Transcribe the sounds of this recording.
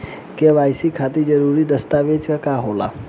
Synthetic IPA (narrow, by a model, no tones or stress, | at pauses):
keʋajsikʰat̪id͡ʒəɾuɾid̪əst̪aʋed͡ʒkəkaɦola̰